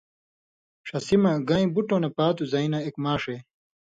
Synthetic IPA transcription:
ʂɐsimɐɡɐĩbuʈoːnepaːt̪uzɐinɐekmaːʂe

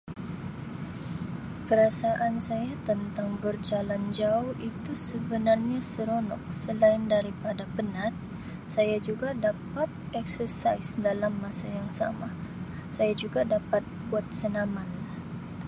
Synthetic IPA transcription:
kəɾasaʔansajat̪ənt̪aŋbərd͡ʒaland͡ʒaʊhit̪usəbənarɲasəɾonɔ̰k̚səlaɪndaɾipadapənat̪̚ | sajad͡ʒuɡadapat̪̚ɛksərsaɪsdalamːasajaŋsa̰ma | sajad͡ʒuɡadapat̪̚buat̪̚sənaman

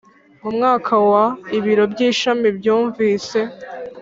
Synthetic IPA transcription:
mumŋaːkʰawaiβiɾo̞bɟiːʃamibjuːɱviːse̞

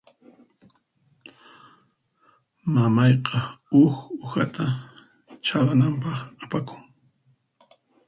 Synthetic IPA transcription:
mamɑjqɑʊxʊxat̪ʰa | t͡ʃalanampɑχapakʊŋ

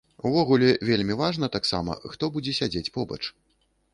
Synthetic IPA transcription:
uvɔɣulʲɛvʲelʲmʲivaʐnɐt̪aksa̰mɐ̰xt̪ɔbud͡zʲɛsʲad͡zʲet͡sʲpɔbɐ̰t͡ʂ

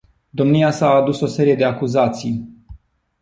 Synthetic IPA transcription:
d̪o̞mniasaːd̪uso̞se̞ɾije̞d̪e̞akuzat̪sij

